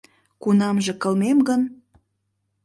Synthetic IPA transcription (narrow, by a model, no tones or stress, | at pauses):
kunɑmʒĕkə̆lmemɡən